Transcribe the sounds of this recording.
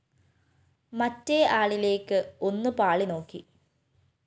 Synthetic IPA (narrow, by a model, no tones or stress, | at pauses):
mɐtːeaːɭile̞ːkːɨo̞nːupaːɭino̞ːkːi